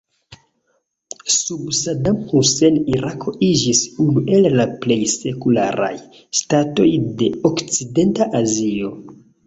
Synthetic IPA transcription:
subsadamhuse̞niɾakʰo̞id͡ʒisunuʔe̞lːaple̞jse̞kulaɾa̰j | stato̞jde̞okt͡side̞ntaʔazio̞

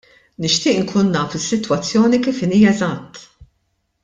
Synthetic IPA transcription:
nɪʃt̪ɪːʔɪŋkʰuːnːɐːfɪsːɪt̪wɐt͡sːjɔːnikiːfɪniːjɐɛzɐt̪ː

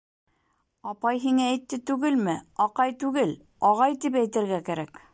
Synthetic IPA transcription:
ɑpɑjɦiŋæːjt̪ːɘt̪ʉɡɘlmɘɑqɑjt̪ʉɡɘl | ɑʁɑjt̪ipæjt̪ɘ̆ɾɡækæɾæk

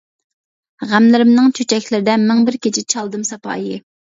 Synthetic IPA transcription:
ʁæmlɪɾɪmnɨŋt͡ʃʰøt͡ʃʰɛkʲlɪɾɪd̪ɛmɛŋbɪɾkʲet͡ʃʰit͡ʃʰɑlˠd̪ɨmsɑpʰɑ̰ːjɨ

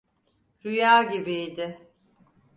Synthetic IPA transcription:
ɾujaːɟibijd̪ɪ

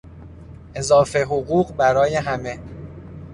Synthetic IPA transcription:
ʔe̞zɒːfeɦoɣuːɢbæɾɒːje̞ɦæme̞

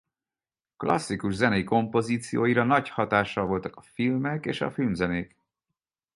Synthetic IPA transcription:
klɒ̰sːikuʒzɛnɛjiko̞mpo̞ziːt̪sijoːjiɾɒnɒchɒt̪aːʃːɒlvo̞lt̪ɒ̥kɒ̥filmɛkḛːʃɒ̰filmzɛneːk

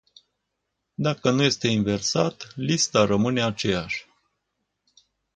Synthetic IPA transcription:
d̪akənuje̞st̪e̞inve̞rsat̪list̪aɾəmɨne̞at͡ʃe̞jaʃʲ

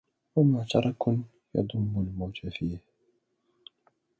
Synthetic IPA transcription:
wamaʕt̪ɑɾˤɑkʊ | jɑ̰d̪ˤʊmːʊlmawt̪afiːh

